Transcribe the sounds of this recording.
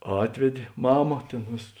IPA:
ˈɑːtʲʋʲɛdʲeː ˈmɑːmɐ ˈtʲeːn ˈʋʲeːsɐs

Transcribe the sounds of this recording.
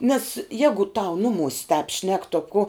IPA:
nʲɛs ˈjæːɡʊ tɐʊ ˈnʊˌmʊsʲ tɑːp ʃʲnʲɛk toː koː

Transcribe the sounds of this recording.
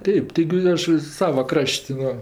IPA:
ˈtʲɛɪp tʲɪˈɡʲɪ ˈɐʃ ˈsɑːʋɐ ˈkrɐʃʲtʲ ˈʋɐ

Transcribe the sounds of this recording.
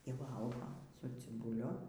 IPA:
iː ˈʋɐlˠɡoː sʊ t͡sʲɪbʊˈlʲʊ

